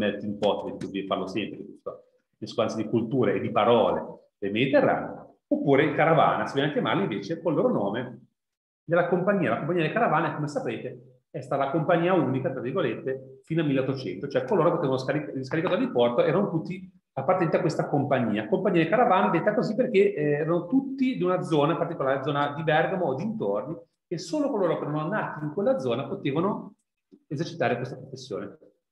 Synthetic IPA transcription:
mɛt̪impɔt̪et̪uvɛfa̰lːosɛmpɾeikest̪o | inskuansjad̪ikult̪uːɾeːd̪ːipaɾɔːlḛ | d̪elmed̪it̪erːa̰ːne | opːuːɾekaɾava̰ːnasivɛnakjama̰rlːaiɱveːt͡ʃekolːoːɾonoːme | d̪elːakompaɲːiːalakomp̬ːaɲiad̪elkaɾavaːneɛkomesapeːt̪e | ɛst̪at̪alakompaɲːiːaunikat̪ɾavirɡolet̪ːefiːnoalmilːeot̪ːot͡ʃɛ̰nt̪ot͡ʃoɛkːolːoːɾopot̪eːvanoskaɾikskaɾikat̪oad̪ipɔrt̪oɛːɾanot̪ut̪ːi | apːaɾrt̪enent̪akːwest̪akompaɲːḭːakompaɲiːad̪ekaɾavaːned̪et̪ːakoziperkeɛːɾanot̪ut̪ːid̪iunad̪zɔːnaipart̪ikolaːɾed̪zɔːnad̪ibɛrɡamood̪iːnt̪orni | esːoːlokoloːɾokeɛɾanonːaːt̪iːŋkwelːad̪zɔːnapot̪eːvano | ezert͡ʃi̥t̪aːɾekwest̪apɾofesːjo̰ːne

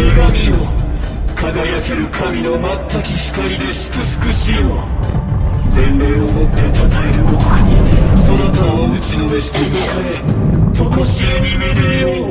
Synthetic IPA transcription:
me̞ɡamʲio | kʰaɡajake̞ɾɯ̟kʰamʲino̞mat̪ʰːakʲiçi̥kaɾʲid̪e̞ɕi̥kɯ̟sɨ̥kɯ̟ɕiːo | d͡zẽ̞nːe̞ːomo̞t̪ːe̞t̪at̪aeɾɯ̟ot̪okaɲ̟iso̞not̪aoɯ̟t͡ɕino̞be̞ɕi̥t̪eimakaet̪okoɕieɲ̟ime̞d̪eo

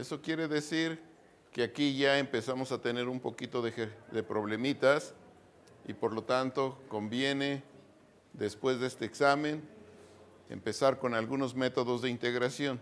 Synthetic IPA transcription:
e̞so̞kje̞ɾe̞ðe̞siɾ | keakiʝaempe̞samo̞sat̪e̞ne̞ɾumpo̞kit̪o̞ðexeðe̞pɾo̞βle̞mit̪as | ḭpo̞ɾlo̞t̪ant̪o̞ko̞mbje̞ne̞ | d̪e̞spwe̞zðee̞st̪e̞ːksamẽ̞n | ḛmpe̞saɾko̞nalɣuno̞zme̞t̪o̞ð̞o̞zðe̞int̪e̞ɣɾasjo̞n

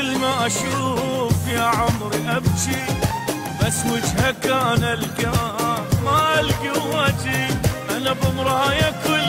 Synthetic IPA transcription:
lmaʔaʃuːfjaʕʊmɾiʔabʃi | basːmʊd͡ʒhakaʔnalɡaamaʔalɡiwad͡ʒiʔanabʊmɾˤɑhajakʊl

